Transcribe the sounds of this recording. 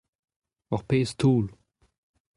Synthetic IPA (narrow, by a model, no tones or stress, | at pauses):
ɔʁpest̪ʰuːl